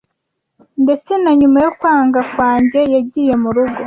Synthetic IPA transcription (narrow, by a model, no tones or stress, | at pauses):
nde̞t͡se̞naɲumajokwaːŋɡakwaːɲɟe̞jaɟiːje̞muɾuɡo̞